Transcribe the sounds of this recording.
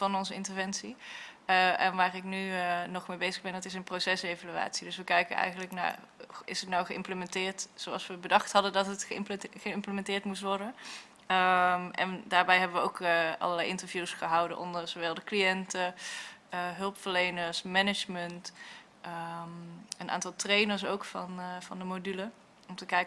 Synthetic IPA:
vɑnɔnzəɪntəɹvɛnsiəʔɛnʋaːrɪknynɔχmejbejzəɣbɛndɑtɪsənprowsɛsejvalya̰ːtsidɵsʋəkɛjkənɛ̰jχənləkna̰ːɹɪsətnawχəɪ̰mpləmɛntɪːɹtsowɑlˠsʋəbədɑχtɦɑdədɑtətχəχəɪmpləmɛntɪːɹtmustʋɔɹdən | əmʔɛ̰ndaːɹbɛjɦɛbəʋəowkʔɑ̰lˠəɹlɛjʔɪntəɹvjuːsχəɦɑwdə̰nʔɔ̰ndəɹzowʋɛlˠdəklijɛntə | əɦɵlˠpfəɹlejnəɹsmɛnɪd͡ʒmənt | ʔəmənʔa̰ːntɑlˠtrejnəɹs̬owkfɑnvɑndəmodylə | ɔmtəkɛj

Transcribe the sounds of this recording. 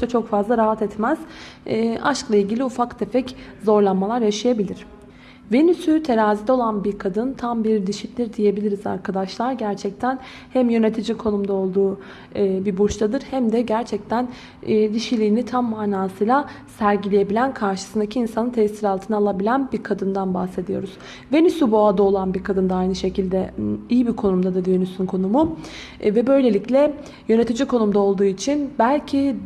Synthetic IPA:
at͡ʃʰo̞kfazlˠaɾaɦat̪ʰɛt̪mæz̥ɛːaʃklˠailʲɟilʲiufakd̪ʰepɛczo̞ɾlˠanmalˠaɾjaʃajabilʲiɾ̝̥ | venysyt̪ʰe̞ɾaːzid̪ʲo̞lˠanbiɾkʰad̪ɯnt̪ʰambiɾd̪iʃit̪lʲiɾd̪ije̞bilʲiɾiza̰ɾkʰad̪aʃlˠaɾɟæɾt͡ʃʰɛc̚t̪ʰæn | hæmjø̞ne̞t̪ʰid͡ʒikʰo̞numd̪ao̞lˠd̪uː | bibut͡ʃt̪ʰad̪ɯɾhæmd̪ɛɟæɾt͡ʃʰɛc̚t̪ʰænː | d̪iʃilʲiːnit̪ʰamːaːnaːsɯjlˠa | sæɾɟilʲeje̞bilʲænkʰaɾʃɯsɯnd̪acʰiinsanɯnt̪ʰɛsiɾalˠt̪ʰɯnalˠabilʲænbiɾkʰad̪ɯnd̪anbaxse̞d̪ijo̞̰ɾuz̥ | ve̞nysubuad̪ao̞lˠanbiɾkʰad̪ɯnd̪aajnɯʃe̞cʰilʲd̪ɛijibikʰo̞numd̪ad̪ɯɾve̞nysynkʰo̞numu | vɛbø̞jlʲe̞lʲiclʲɛ | jø̞ne̞t̪ʰid͡ʒikʰo̞numd̪ao̞lˠd̪uːit͡ʃʰinbælʲcʰi

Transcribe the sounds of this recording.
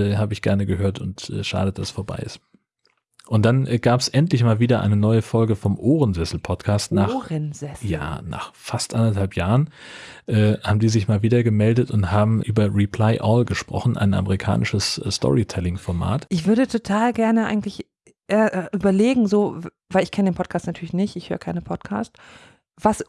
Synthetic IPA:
ɛːhaːbəɪçɡ̥ɛɐnəɡəhøːɐtʊntʔɛ̰ːʃa̰ːdəd̥asfoːɐba̰ɪɪ̰st | ʔʊnt̚d̥anʔɛɡ̥aːpɛ̥sʔɛntlɪçmaːlviːdɐʔa̰ɪnənɔʏəfɔlɡəfɔmʔoːʁənzɛsl̩pʰɔtkʰaːstnaːχʁənzɛsjja̰ːna̰ːχfastʔandɐthalpjaːʁ̞ənʔɛːhaːbm̩diːzɪçmaːlviːdɐɡəmɛldətʊnthaːbm̩ʔyːbɐʁipʰl̥aɪʔɔlɡəʃpʁ̥ɔ̰χn̩ʔa̰ɪnʔa̰məʁikʰa̰ːnɪʃəsstʰɔ̰ʁitʰɛlɪŋfɔɐma̰ːtʔɪçv̥ʏɐdətʰotʰaːlɡɛɐnəʔa̰ɪɡŋ̩tlɪç | ʔeɐʔʔyːbɐleːɡŋ̩zoː | vaɪlɪçkʰɛnədeːnpʰɔtkʰaːstnatʰyːɐlɪçnɪçtɪçhøːʁəkʰaɪnəpʰɔtkʰa̰ːst | v̥as

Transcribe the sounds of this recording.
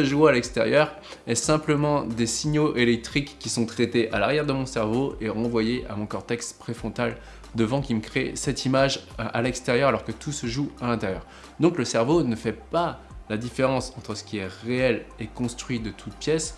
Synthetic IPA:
səʒoalɛkst̪eʁjœʁ | ɛsɛ̃pləmɑ̃d̪esiɲoʔelɛk̚t̪χikːisɔ̃t̪χet̪eʔalaʁjɛʁd̪əmɔ̃sɛʁvoʔeʁɑ̃vwajeʔa̰mɔ̃kɔʁt̪ɛkspχefɔ̃t̪al | d̪əvɑ̃kʲiməkχesɛt̪imaʒʔa̰lɛkst̪eʁjœʁalɔʁkət̪usəʒualɛ̃t̪ɛʁjœ̰ːʁ | d̪ɔ̃kləsɛʁvonəfɛpa | lad̪ifeʁɑ̃sɑ̃t̪χəsə̥kʲiɛʁeɛlekɔ̃st̪χɥid̪ət̪ʰut̪̚pjɛs

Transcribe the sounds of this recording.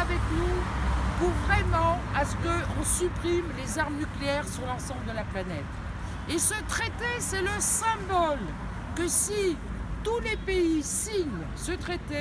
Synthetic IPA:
avɛknupuʁvʁɛmɑ̃asə̥kəɔ̃sypχimlezaʁmnykleɛʁsyʁlɑ̃sɑ̃bləd̪əlaplanɛt̪ | esət̪χet̪esɛləsɛ̃bɔl | kəsi | t̪ulepeisiɲ | sət̪χet̪e

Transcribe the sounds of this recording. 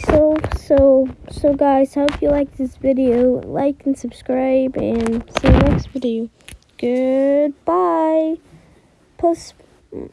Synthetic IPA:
soʊsoʊsoʊɡaɪz̥hoʊpjɨlaɪk̚ðɪsvɪɾioʊla̰ɪkn̩sɨb̥skɹaɪbɨ̃nsĩʌkspɪɾi | ɡ̥ʊd̚b̥aɪ | pʰoʊs

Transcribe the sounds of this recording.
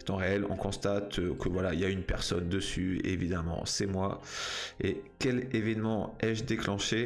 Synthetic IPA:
t̪ɑ̃ʁeɛlɔ̰̃kɔ̃st̪at̪kʰəvwalailjaynpɛʁsɔnd̪əsyḛvid̪amɑ̰̃sɛmwa | ekʲɛlevɛnmɑ̃ɛʒd̪eklɑ̃ʃe

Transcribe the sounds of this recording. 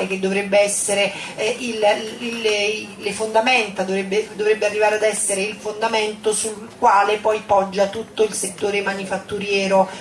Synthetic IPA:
ek̟ed̪ːovɾɛbːeɛsːeɾe | ilillefond̪amɛnt̪ad̪ovɾebːed̪ovɾebːearːivaːɾead̪ɛsːeɾeilfond̪amɛnt̪osulkwaːlepɔjpɔd͡ʒːat̪ut̪ːoilset̪ːoːɾemanifat̪ːuɾjɛːɾo

